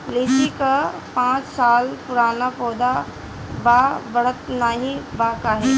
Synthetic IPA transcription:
leːt͡ʃikapãːt͡ʃsaːlpʊɾaːnapɔːd̪a | babɐɽət̪naːɦĩbaːkaːɦeː

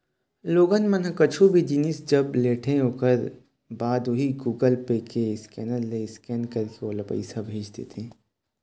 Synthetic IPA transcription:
loːɡənmɐnɦkɐt͡ʃʰubʱid͡ʒinisd͡ʒɐbleːʈʰeɦoːkəɾ | baːd̪oɦiɡuːɡəlpeːkeɪskɛːnəlːeɪskɛːnkɐɾkeoːlɐpə̰ɪsabʱeːd͡ʒt̪ḛt̪ʰẽː

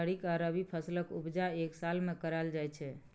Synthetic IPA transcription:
əɽikaɾəbipʰəsləkubd͡ʒaeksalmekəɾald͡ʒajt͡ʃʰɛ

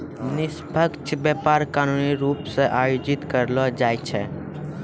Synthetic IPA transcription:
nɪsbʱəkt͡ʃʰbjɛpaɾkaːnuniɾuːpseʔaːjod͡ʒɪt̪kəɾlɔd͡ʒaːjt͡ʃʰɛ

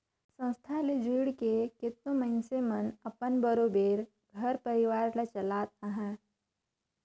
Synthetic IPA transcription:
sə̃st̪ʰaled͡ʒuːɽkekɪt̪nõmə̃nsemənɐpənbəɾoːbeːɾ | ɡʱɐɾpəɾɪʋaːɾlat͡ʃɐlaːt̪̚aɦɛ̃ː

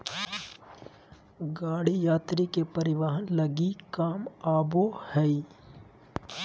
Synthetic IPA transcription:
ɡaːɽijaːt̪ɾikepɐɾɪʋaːɦənlɐɡikaːmaːbohɛi

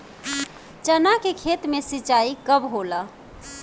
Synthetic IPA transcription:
t͡ʃənakekʰet̪mesit͡ʃaikəbɦolə

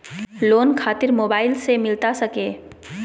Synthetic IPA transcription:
loːnkʰaːt̪ɪɾmoːbaːɪlsemɪlt̪asəkeː

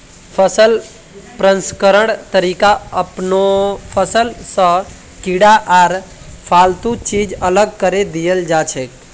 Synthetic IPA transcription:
pʰəsəl | pɾə̃nskəɾəɳt̪əɾikaəpnopʰəsəlsə̃ | kiɽaʔaːɾ | pʰalt̪ut͡ʃid͡ʒələɡ̚kəɾed̪ijəld͡ʒat͡ʃʰek

